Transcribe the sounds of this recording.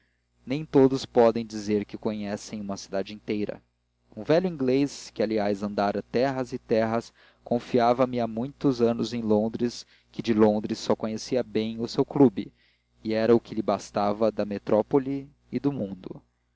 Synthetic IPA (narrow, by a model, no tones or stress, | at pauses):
nẽj̃t̪od̪ʊspɔd̪ẽj̃d͡ʒizeɾkɪkoɲɛsẽj̃ũmɐsid̪ad͡ʒɪĩnt̪ejɾɐ̰ | ũvɛʎʊĩŋɡleskɪaliajzɐ̃nd̪aɾɐt̪ɛɦɐzɪt̪ɛɦɐs | kõfiavɐmɪamũj̃t̪ʊzɐ̃nʊzẽj̃lõnd̪ɾɪs | kɪd͡ʒɪlõnd̪ɾɪsːɔkõɲesiɐbẽj̃ʊsewklubɪː | ɛɾɐʊkɪlɪbast̪avɐd̪ɐmet̪ɾɔpoli | ɪd̪ʊmũd̪ʊ̰